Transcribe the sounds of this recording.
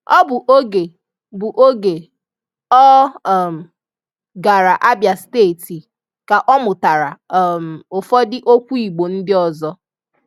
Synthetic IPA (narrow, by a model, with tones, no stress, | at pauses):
ɔ˦bʊ˨ʔo˦ɡe˨ | bʊ˨ʔo˦ɡe˨ | ɔ˦˨m̩˨ | ɡa˨ɾa˨ʔa˦bja˨steː˦˨ti˨ | ka˨ʔɔ˦mʊ˨ta˨ɾa˨m̩˨ʊ˨fɔ˦dɪ˦ʔo˦kʷu˦i˨ɡ͡bo˨n̩˦dɪ˦ɔ˨zɔ˦